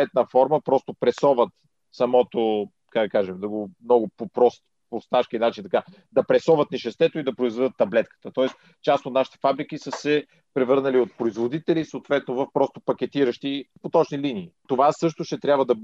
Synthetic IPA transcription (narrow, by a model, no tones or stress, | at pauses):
ɛt̪̚nəfɔɾməpɾɔst̪opɾɛsɔvət̪ | sɐmɔt̪o | kaɡ̚d̪ɐkaʒɛmd̪ɐɡomnɔɡʊpopɾɔst̪ | post̪aʃkinat͡ʃint̪ɐka | d̪ɐpɾɛsɔvət̪nɛʃɛst̪ɛt̪oid̪ɐpɾoizvɛd̪ət̪ːɐblɛt̪kə̥t̪ət̪ɔɛs | t͡ʃast̪ot̪naʃi̥t̪ɛ̥fabɾik̟isəsɛ | pɾɛvɤɾnəliot̪̚pɾoizvod̪it̪ɛlisoːt̪vɛt̪novəfpɾɔst̪opɐk̟ʲɛt̪iɾəʃt̪ipot̪ɔt͡ʃniliniːt̪ovasɤʃt̪oʃt̪ɛt̪ɾʲabvəd̪ɐb